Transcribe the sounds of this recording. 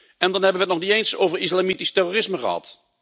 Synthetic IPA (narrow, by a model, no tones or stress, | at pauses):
ɛndɑnɦɛbənʋəətnɔχniejnsowvəɹɪslamitistɛroːrɪsməχə̰ɦɑ̰t